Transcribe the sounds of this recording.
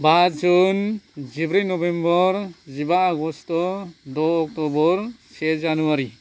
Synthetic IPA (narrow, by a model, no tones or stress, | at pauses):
bad͡ʒund͡ʒibɾinɔbembɔɾzibaːɡɔstɔdɔɔk̚tɔbɔɾsɛd͡ʒanuaɾi